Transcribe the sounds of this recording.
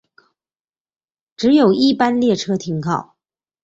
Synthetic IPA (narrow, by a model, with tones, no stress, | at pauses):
ʈ͡ʂɻ̩˧˥jo˨˩ʊʔi˥˩pa˥nljɛ˥˩ʈ͡ʂʰɤ˥t̪ʰi˧˥ŋkʰɑ˥˩ʊ